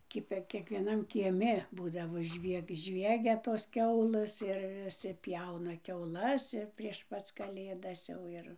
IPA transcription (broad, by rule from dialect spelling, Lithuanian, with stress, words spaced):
ˈkʲɪpʲɛ kʲiɛkʋʲiɛˈnɐm kʲiɛˈmʲɪ ˈbuːdɐʋoː ˈʒʲʋʲiɛk ˈʒʲʋʲiɛɡʲɛ toːs ˈkʲɛʊlˠɘs ɪr ʋʲɪˈsʲɪ ˈpʲjɛʊnɐ kʲɛʊˈlˠɐs ɪr pʲrʲiɛʃ ˈpɐt͡s kɐˈlʲeːdɐs ˈjɛʊ ɪr